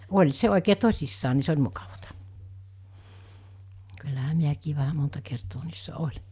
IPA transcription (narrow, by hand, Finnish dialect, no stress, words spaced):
olʲ se oˑikeː tosʲisːɑː ni se olʲ mukɑʋɑtɑ kylːæhæ miækiː ʋæhæ montɑ kertoː niːsːæ olʲi̥